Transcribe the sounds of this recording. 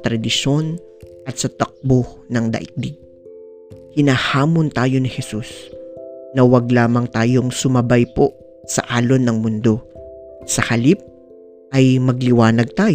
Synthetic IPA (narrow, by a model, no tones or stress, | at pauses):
t̪ɾɐd̪ɪʃo̞n | ʔɐt̪sɐt̪ɐk̚bonɐŋd̪ɐ̰ʔɪk̚d̪ɪɡ̚ | hɪnɐhaːmont̪aːjo̞nɪhɛsus | nɐwɐɡ̚laːmɐŋt̪aːjo̞ŋsʊmɐbajpo̞ | sɐ̰ʔaːlo̞nɐŋmʊnd̪o̞sɐhɐlip̚ | ʔɐjmɐɡlɪwaːnɐɡ̚t̪aːj